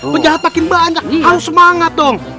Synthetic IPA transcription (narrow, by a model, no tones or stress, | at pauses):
pəɲd͡ʒaɦat̪̚makɪnbaɲd͡ʒakhaɾʊsːəmaŋat̪̚d̪ɔŋ